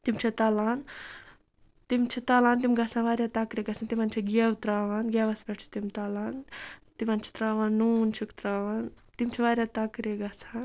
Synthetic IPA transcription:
t̪imt͡ʃʰit̪ɐlaːn | t̪imt͡ʃʰit̪alaːnt̪̬imɡɐsʰãnʋaːɾʲjat̪akɾeɡɐsʰãnt̪imɐnt͡ʃʰiɡʲewt̪ɾaːʋɐnɡʲeʋɐspʲeʈʰt͡ʃʰi̥t̪imt̪alaːnt̪imɐnt͡ʃʰi̥t̪ɾaːʋanːuːnt͡ʃʰikt̪ɾaːʋan | t̪imt͡ʃʰiʋaːɾʲjaːt̪akɾeɡɐsan

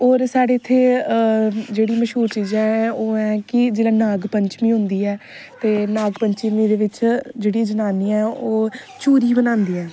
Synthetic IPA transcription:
oːɾsaːɽeːɪt̪ʰːeː | d͡ʒeːɽiːməʃɦuːɾt͡ʃiːd͡ʒɛ̃ːɛoːɛːkɪd͡ʒeːlãːnaːɡpəɲt͡ʃmĩːɦʊ̃nd̪iːɛː | t̪eːnaːɡpəɲt͡ʃmĩːd̪eːʋɪt͡ʃd͡ʒeːɽid͡ʒənaːniːɛːoːt͡ʃuːɾiːbənãːnd̪iːɛː

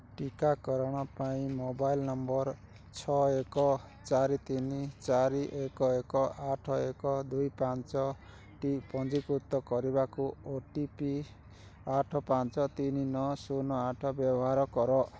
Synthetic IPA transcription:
ʈikakɔɾɔɽ̃ɔpaĩmobajlnɔmbɔɾ | t͡ʃʰɔekɔ | t͡ʃaɾit̪init͡ʃaɾiʔekɔekɔʔaʈʰɔekɔd̪ujpant͡ʃɔ | ʈipɔnd͡ʒikut̪ːɔkɔɾibakuoʈipi | aʈʰɔpant͡ʃɔt̪ininɔsunɔaʈʰɔbjɔbɔɦaɾɔkɔɾɔ

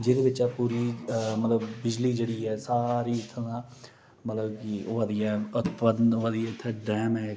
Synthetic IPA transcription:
d͡ʒed̪eːbɪt͡ʃaːpuːɾiːmət̪ləbːɪd͡ʒliːd͡ʒeːɽiːɦɛːsaːɾiːɪt̪ʰːãː | mət̪ləbkiʋad̪ijaːʊt̪pəd̪ʋad̪ijaɪt̪ʰːɖɛːmɦɛː

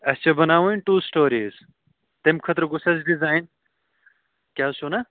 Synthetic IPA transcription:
ɐst͡ʃʰɐbɐnaːʋoinʈuːsʈoːɾiːz | t̪emkʰɐt̪ɾɡʊsɐsɖizaːjn | kʲjaːsonɐ

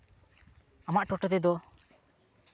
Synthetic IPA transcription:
amaʔʈɔʈɔt̪ɛd̪ɔ

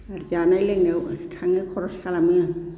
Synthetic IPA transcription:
aɾzanajlɛnɛwtʰaŋɛkʰɔɹɔskʰalamia

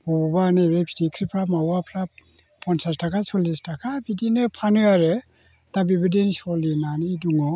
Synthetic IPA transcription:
bɔbaneɾebʰʱidikʰɾipʰɾamawapʰɾa | pʰɔnsastakʰasɔlistʰakʰabidinɯpʰanɯaɾɯ | dabibɯdensɔlinanɯduŋɔ

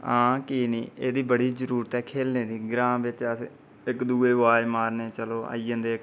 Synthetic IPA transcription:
ãːkiːniːeːd̪iːbəɽiːzəɾuːɾət̪ɛːkʰeːlneːd̪iːɡɾãːmʋɪt͡ʃəs | ɪkd̪uːeːʋaːemaːɾneːt͡ʃəloːa̰ːiːə̃nd̪eːk

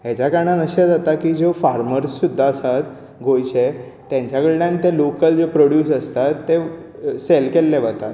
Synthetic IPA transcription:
ɦet͡ɕjakəɾɳãnəɕed͡zat̪akiːd͡zofaɾməɾsːud̪ʱːaəsat̪ | ɡʱojt͡ɕe | t̪jãɲt͡ɕakəɽljãnit̪elokəld͡zepɾoɽjuːs̬əst̪at̪ːeselkelːeʋat̪at̪

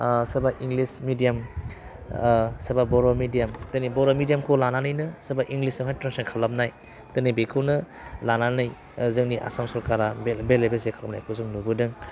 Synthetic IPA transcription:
sɯbaʔiŋɡlismidijam | sɐbabɔɾomidijamtɯnibɔɾomidijamkʰolananɯjnɯsɯbaʔiŋɡlisɯŋɦajtɾansakʰalap̚naj | tɯnibekʰɯwnɯ | lananɯj | zɯŋniʔa̰samsɔɾkaɾabebelebesekʰalɐp̚na̰jkʰɯzɯŋnubɯdɯŋ

